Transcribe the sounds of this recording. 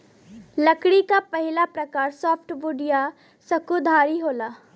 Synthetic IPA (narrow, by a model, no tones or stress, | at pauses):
lɐkɽikapɐɦɪlapɾɐkaːɾsɔːpʰʈʋʊɖija | sɐkud̪ʱaːɾiɦoːlaː